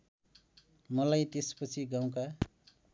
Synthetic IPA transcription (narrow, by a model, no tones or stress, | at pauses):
mʌlajt̪espʌt͡sʰiɡaw̃ka